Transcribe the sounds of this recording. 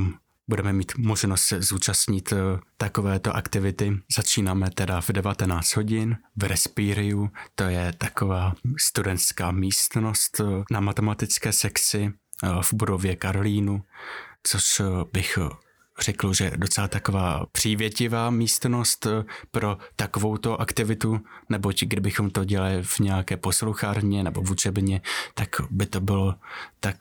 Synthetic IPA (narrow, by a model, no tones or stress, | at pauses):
budɛmɛmiːt̪mo̞ʒnost̪sɛzuːt͡ʃast̪ɲɪt̪t̪ako̞vɛːt̪o̞ʔakt̪ɪvɪt̪ɪzat͡ʃiːnaːmɛt̪ɛdavdɛvat̪ɛnaːt͡st̪ɦo̞ɟɪnvɾɛspiːɾɪut̪o̞jɛt̪ako̞vaːst̪udɛnt̪skaːmiːst̪no̞st̪namat̪ɛmat̪ɪt͡skɛːsɛkt͡sɪvbudo̞vjɛkaɾoliːnut͡so̞ʃbɪx | r̝̥ɛkl̩ʒɛ̰do̞t͡sɛlat̪ako̞vaːpr̝̥iːvjɛcɪvaːmiːst̪no̞st̪pɾo̞t̪ako̞vo̞wt̪o̞ʔakt̪ɪvɪt̪unɛbo̞cɡdɪbɪxo̞mt̪o̞ɟɛlalɪvɲɛakɛːpo̞sluxaɾɲɛnɛbo̞vut͡ʃɛbɲɛt̪akbɪt̪o̞bɪlot̪ak̚